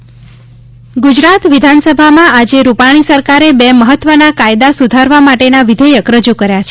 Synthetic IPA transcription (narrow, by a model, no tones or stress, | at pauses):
ɡud͡ʒɾat̪ʋid̪ʱansəbʱamãad͡ʒeɾupaɽ̃isəɾkaɾebeməɦət̪ːʋənakajd̪asud̪ʱaɾʋamaʈenaʋid̪ʱəjəkɾəd͡ʒukəɾjat͡ʃʰe